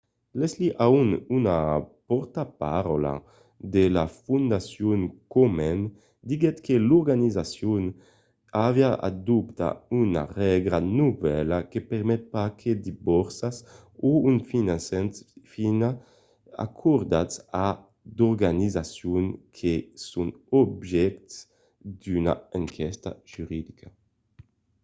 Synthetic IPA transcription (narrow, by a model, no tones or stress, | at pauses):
lɛsliʔaununapɔɾt̪apa̰ɾɔla̰ | d̪elafund̪asjuŋkɔmɛn | d̪iɡɛt̪keluɾɡanizasjun | avjaʔa̰d̪upt̪a̰una̰ʁɛɡɾanuvɛlakepeɾmɛt̪̚pakʰed̪ibɔɾsas | uynfinansɛnfina | a̰kʰuɾd̪at̪sa | d̪ɔɾɡanizasjuŋkʰesunɔbʒɛkt̪s | d̪yna̰aŋkʰɛst̪a̰ʒ̥yɾid̪ikʰa